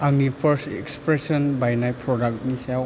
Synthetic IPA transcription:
aɡnipʰəɾstḛkspɾesɔnbajnajpʰɾɔdak̚tnisaw

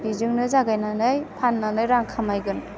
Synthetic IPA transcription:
bizɯŋnɯzaɡajnanɯjpʰanːanɯjɾaŋkʰamajɡɯn

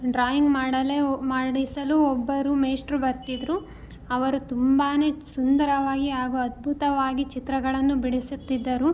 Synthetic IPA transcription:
ɖɾaːjiŋɡmaːɽɐlemaːɽisɐluɔbːɐɾumeːsʈɾubɐɾt̪id̪ɾu | ɐʋɐɾut̪umbaːne̞ːsund̪ɐɾɐʋaːɡiaːɡuɐd̪̚bʱut̪ɐʋaːɡit͡ʃit̪ɾɐɡɐɭɐnːubiɽisut̪ːid̪ːɐɾu

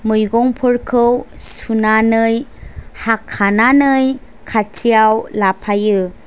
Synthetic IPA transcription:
mɯjɡɔŋpʰəɾkʰəwsunanɯjhakʰːananɯj | kʰatʰijawlapʰajɯ

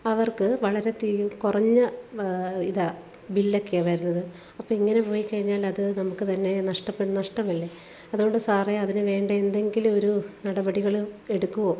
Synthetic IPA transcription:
ɐʋɐrkɨʋɐɭɐɾe̞t̪iːjukurɐɲːɐ | iðɐ | bilːɐkːijɐʋajɾunːɐðɨ | ɐpːoːiŋːɐne̞po̞ːjikːɐɻiɲːaːlɐðɨnɐmukːɨt̪ɐnːe̞nɐʂʈɐpːeʈːunɐʂʈɐmɐlːe | ɐðuɣo̞ɳɖɨsaːreɐðinɨʋe̞ːɳɖɐend̪e̞ŋɡilumo̞ɾunɐɽɐbɐɽiɣɐɭe̞ɽukːuʋo̞ː

